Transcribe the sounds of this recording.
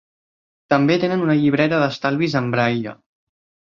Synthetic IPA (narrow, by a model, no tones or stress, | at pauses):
t̪əmbet̪enənunəʎiβ̞ɾɛt̪əðəst̪alˠβizəmbɾajə̰